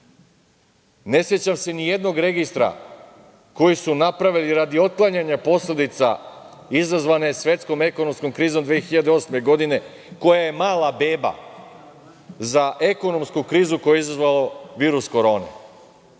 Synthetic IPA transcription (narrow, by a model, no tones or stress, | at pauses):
ne̞sjet͡ɕamse̞nije̞d̪no̞ɡɾe̞ɡist̪ɾa̰ | ko̞jisunapɾaʋiliɾad̪io̞t̪̚klˠaɲaɲapo̞sled̪it̪sa̰ | izazʋane̞sʋje̞t̪sko̞me̞ko̞no̞msko̞mkɾiːzo̞md̪ʋeexiʎad̪eo̞sme̞ɡo̞d̪ine̞ | ko̞jaje̞maːlabe̞ːba̰ | zaʔe̞ko̞no̞mskukɾiːzuko̞jeizazʋalo̞ʋiːɾusko̞ɾo̞ːnḛ